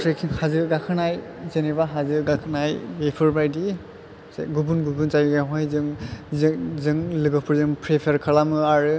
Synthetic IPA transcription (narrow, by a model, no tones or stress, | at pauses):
tʰekʰhazɯɡakʰɯnajzenibaɦazɯɡakʰɯnajɡepʰuɹbɾajdi | sɡubunɡubunzajɡaɦɔjzɯŋzzɯŋlɯɡɔpʰuɹzɯŋpʰɾepʰeɾkʰalamɯaɹɯ